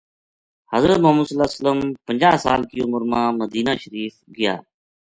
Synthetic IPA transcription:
həzɾət̪mʊɦəməsəlaːsələmpəɲd͡ʒaːɦsa̰ːlkijʊməɾmãːməd̪iːnaːʃəɾiːfɡɪja̰ː

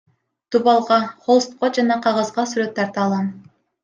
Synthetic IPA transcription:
d̪̥ubɑlˠʁɑχolˠst̪qod͡ʒɑnɑqʰɑʁɑzʁɑsyɾøt̪ːɑɾt̪ɑːlˠɑn

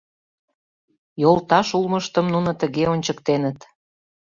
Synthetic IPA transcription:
jolt̪ɑʃulməʃt̪ə̆mnunə̆t̪əɣeonʲt͡ɕəkt̪enət̪

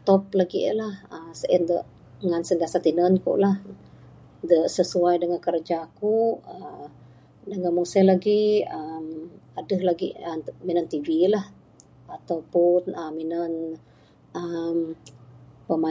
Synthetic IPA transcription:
t̪ɔp̚laɡḭʔəlahəsəʔəndəʔ | ŋansəndiasat̪inənkṵʔlah | dəʔsəsuajdəŋankəɾd͡ʒakuə | dəŋanmuŋsəlaɡiəmadəhlaɡiʔəminənt̪ivilah | at̪awpʊnəminən | ʔəm | pəma

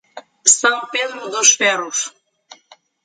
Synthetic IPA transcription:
sɐ̃w̃ped̪ɾʊd̪ʊʃfɛruʃ

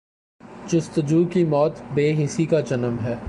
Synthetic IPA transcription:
d͡ʒʊst̪əd͡ʒuːkimɔːt̪beːɦɪsikad͡ʒɐnəmɦɛː

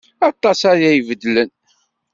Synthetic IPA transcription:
ɑt̪ˤːɑsæɾjæjvəd̪ːlən

